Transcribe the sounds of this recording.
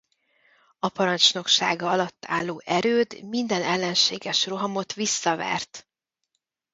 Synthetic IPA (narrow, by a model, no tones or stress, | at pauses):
ɒpɒɾɒnt͡ʃno̞kʃa̰ːɡɒɒlɒt̪ːa̰ːlːoːʔɛɾøːd̪mind̪ɛnɛlːɛnʃeːɡɛʃro̞ɦɒmo̞t̪ʋisːɒvɛ̰rt̪